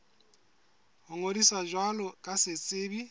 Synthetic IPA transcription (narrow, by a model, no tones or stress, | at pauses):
ɦʊŋodisaʒwalɔkʼasɪt͡sʼɪːbi